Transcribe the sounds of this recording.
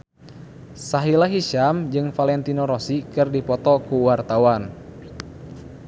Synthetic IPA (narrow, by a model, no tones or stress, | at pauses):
saɦilaɦiʃamd͡ʒɨŋfalɛnt̪inɔɾɔsikɨrdipɔt̪ɔkuwart̪awan